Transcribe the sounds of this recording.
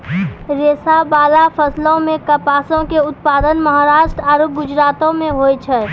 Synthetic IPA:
ɾeːsabaːlapʰəslõmẽkəpaːsõkeʊt̪̚paːd̪ənməɦaɾaːʃʈɾəaːɾop̚ɡʊd͡ʒɾaːt̪õmẽɦojt͡ʃʰɛ

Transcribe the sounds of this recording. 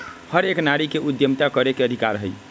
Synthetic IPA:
həɾeknaɾikeʔud̪jəmt̪akəɾekeəd̪ʱikaɾɦəj

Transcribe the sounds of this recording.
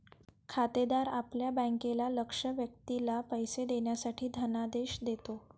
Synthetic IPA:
kʰat̪ed̪aɾapljabə̃ŋkelaləkʂəʋjək̚t̪ilapəjsed̪eɳjasaʈʰiːd̪ʱənad̪eɕd̪et̪o

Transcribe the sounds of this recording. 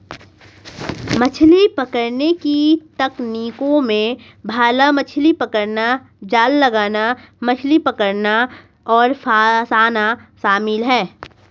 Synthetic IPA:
mət͡ʃʰlipəkəɾnekit̪ɐkniːkõmẽ | bʱaːlamət͡ʃʰlipəkəɾna | d͡ʒaːlːəɡaːna | mət͡ʃʰlipəkəɾna | ɔːɾfʰaːsaːnaʃaːmɪlɦɛː

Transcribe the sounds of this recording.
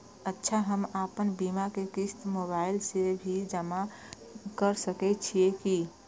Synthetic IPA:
ətːʃʰaɦəmaːpənbiːmakekɪst̪moβaːɪlsebʱid͡ʒəma | kəɾsəkɛt͡ʃʰieki

